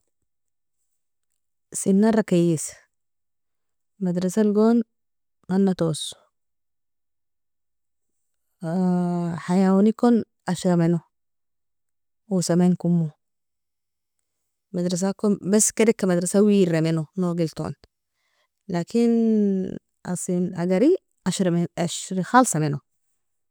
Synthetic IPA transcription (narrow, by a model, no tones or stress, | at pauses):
sinːaɾˤɑkajis | mad̪ɾɑsalɡoːn | manːat̪os | ħajawanikon | ʔaʃamenu | wisamenkumːu | mad̪ɾɑs̬akonbasːked̪akːamad̪ɾasawiːɾamenunoɡilt̪o̰n | lakin | ʔa̰sˤinhaɡaɾi | ʔaʃɾaʃɾixalsˤɑmenu